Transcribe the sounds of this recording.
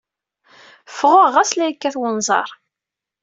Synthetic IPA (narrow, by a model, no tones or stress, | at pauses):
fəʁəʁæslæjkːæθwənzˤɑ̰ɾˤ